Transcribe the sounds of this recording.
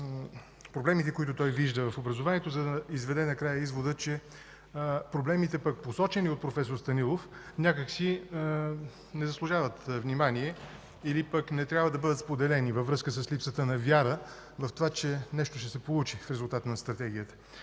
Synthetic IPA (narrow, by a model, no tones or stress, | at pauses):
pɾoblɛmit̪ɛkoit̪ʊt̪ɔjviʒd̪əvɐfobɾɐzovaniɛt̪ozɐd̪əizvɛd̪ɛnɐkɾajəizvod̪ət͡ʃɛ | pɾoblɛmit̪ɛpək̚posɔt͡ʃɛniot̪̚pɾofɛsoɾst̪ɐnilˠofnʲakəksi | nɛzɐslˠʊʒavət̪vnimaniɛ | ilipəknɛt̪ɾʲjabvəd̪ɐbɤd̪ət̪spod̪ɛlɛnivəvɾɤskəsəslipsət̪ənɐvʲjaɾə | vɐft̪ovat͡ʃɛnɛʃt̪oʃɛsɛpolˠut͡ʃifɾɛzʊlˠt̪at̪nɐst̪ɾɐt̪ɛɡ̟ʲiət̪ə̥